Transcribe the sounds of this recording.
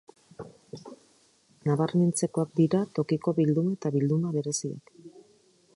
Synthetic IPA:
naβarmint͡se̞ko̞ak̚d̪iɾat̪o̞kiko̞βild̪unaet̪aβild̪unaβe̞ɾe̞sia̰k

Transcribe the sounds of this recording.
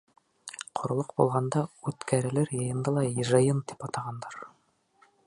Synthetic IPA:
qʰŏɾ̆lˠoqbulˠʁɑnd̪ɑʉt̪kʰæɾɘ̆læɾjɤ̆jɤ̆nd̪ɑlˠɑjɤ̆ʒɑjɤnt̪i̥pɑt̪ɑʁɑnd̪ɑɾ

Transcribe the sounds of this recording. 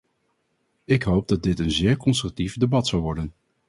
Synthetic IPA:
ɪkɦowb̚dɑd̚dɪtənzɪːɹkɔnstrɵk̚tifdebɑtsɑlˠʋɔɹdən

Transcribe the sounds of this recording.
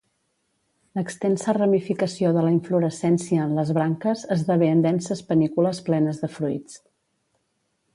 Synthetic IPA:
ləkst̪ɛnsərəmifikəsioðələiɱfluɾəsɛnsiəːnləzβɾaŋkəzəzðəβeənd̪ɛnsəspənikuləsplɛnəzðəfɾujt͡s

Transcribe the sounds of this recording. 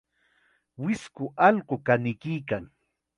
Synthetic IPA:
wɪskʊʔɑlɢokanɪkɪːkaŋ

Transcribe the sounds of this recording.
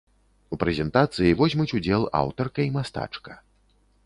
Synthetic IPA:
upɾɛzʲɛnt̪at̪sɨjivɔzʲmɨt͡sʲud͡zʲɛlˠa̰wt̪ɔrkɐimast̪a̰t͡ʂkɐ̥

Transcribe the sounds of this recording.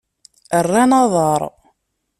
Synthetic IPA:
ərːanɑðˤəɾˤ

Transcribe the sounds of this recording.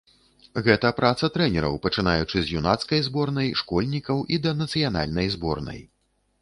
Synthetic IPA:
ɣɛt̪ɐpɾʔat̪sɐt̪ɾɛnʲɛɾɐ̰wpɐt͡ʂɨnajut͡ʂɨzʲjunat̪skɐjzbɔrnɐjʂkɔlʲnʲikɐwʔid̪ɐnɐt̪sɨjan̪a̰lʲnɐjzbɔ̰rnɐ̰j

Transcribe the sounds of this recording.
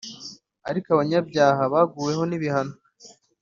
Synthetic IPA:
aɾikaβaɲabɟaːɦaβaːɡuːje̞ɦo̞niβihano

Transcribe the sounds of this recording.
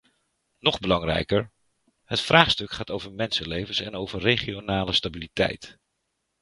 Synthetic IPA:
nɔχbəlɑŋrɛ̰jkəɹ | hətfraːχstɵkχaːtowvəɹmɛnsənlejvənsɛnowvəɹrejχionaːləstabilitɛ̰jt

